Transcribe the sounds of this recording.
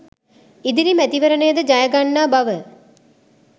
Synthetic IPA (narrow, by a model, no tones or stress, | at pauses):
id̪iɾimæt̪iʋəɾənəjəd̪əd͡ʒajəɡanːaːbaʋə